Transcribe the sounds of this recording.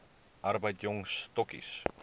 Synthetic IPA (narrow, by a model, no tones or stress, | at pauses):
ʔɐrbəjtjɔŋst̪ɔkḭs